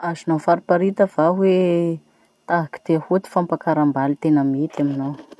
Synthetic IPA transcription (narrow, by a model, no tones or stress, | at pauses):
azinofaɾipaɾit̪əv̥aɦwe | t̪aɦaki̥t̪eahut̪i̥fampakaɾambalit̪enamit̪aminow